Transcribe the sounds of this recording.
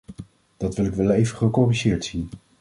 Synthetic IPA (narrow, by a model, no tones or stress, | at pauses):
d̥ɑtʋɪlɪkʋɛlˠejvəχəkoːriʒɪːɹtsin